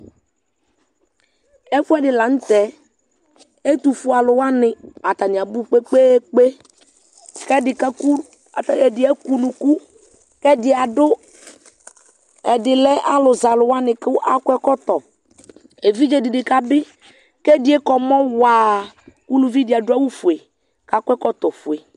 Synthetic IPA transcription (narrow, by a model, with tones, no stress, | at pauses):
ɛ˦fʊ˦ɛ˦dɪ˨la˨n̩˦t̪ɛ˨ | e˦t̪u˨fu˨˦a˨lʊ˨wa˦nɪ˨a˨t̪a˨nɪ˨a˨bu˦k͡pe˦k͡pe˦k͡pe˦ | kɛ˦dɪ˨ka˦ku˦ | a˨tɛ˨dɪ˨ɛ˦ku˦lu˨ku˦ | kɛ˦dɪ˨a˨dʊ˦ | ɛ˨dɪ˨lɛ˦ʔa˦lʊ˨za˨lʊ˨wa˦nɪ˨kwʔa˦kʷɛ˦kɔ˦t̪ɔ˨ | e˨vi˦d͡ʒe˨dɪ˨dɪ˨ka˦bɪ˦ | kɛ˦dɪ˨˦ɛ˦kɔ˨mɔ˦waː˨ | ku˦lu˨vi˦dɪ˨a˨dʊ˦a˦wu˦fu˨e˨ | ka˨kʷɛ˦kɔ˦t̪ɔ˨fu˨e˨